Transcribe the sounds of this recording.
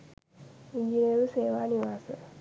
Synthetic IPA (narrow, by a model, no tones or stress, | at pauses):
iɲd͡ʒiniɾuseːʋaːniʋaːsə